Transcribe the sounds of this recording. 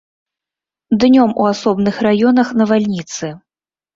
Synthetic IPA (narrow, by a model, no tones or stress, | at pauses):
d̪nʲɔmṵasɔbnɨxrajɔnɐxnɐvalʲnʲit̪sɨ